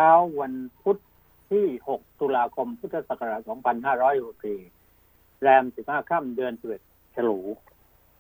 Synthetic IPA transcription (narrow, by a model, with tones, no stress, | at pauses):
t͡ɕʰaː˦˥wwa˧npʰu˦˥t̪̚ʰː | iː˥˩ho˨˩k̚t̪u˧laː˧kʰo˧mpʰu˦˥t̪ʰːa˧saː˨˩kʰa˧ɾa˨˩sɔː˩˦ŋpʰa˧nhaː˥˩ɾɔː˦˥jho˨˩p̚siː˨˩ | ɾɛː˧msi˨˩p̚haː˥˩kʰa˥˩mdɯ˧ənsiː˨˩e˨˩t̪̚ | t͡ɕʰa˧luː˩˦